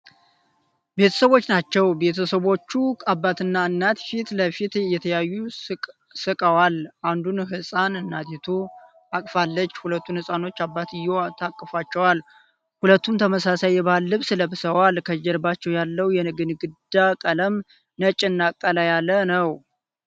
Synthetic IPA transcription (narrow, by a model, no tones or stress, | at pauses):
be̞t̪ʰə̥səβwo̞t͡ʃːnat͡ʃːɛwbe̞t̪ʰəsəβo̞t͡ʃːuabːat̪ɨnːaɨnːat̪fit̪ləfit̪jɛt̪ʰəjajːu | sɨkʼəwalʔand̪unhɨsʼanɨnːat̪ʰet̪ʰu | akʼfalːət͡ʃːhulət̪ːunhɨsʼano̞t͡ʃːabːat̪ɪjːot̪ʰakʼːəfat͡ʃːɛwal | hulət̪ːunt̪ʰəməsasajːɛbaalːɨβsɨləbɨsəwalkʰəd͡ʒɛɾbat͡ʃːɛwjalːəwjɛnɨɡɨnɡɨd̪akʼələm | nət͡ʃʼɨnːakʼːəlajalːənəw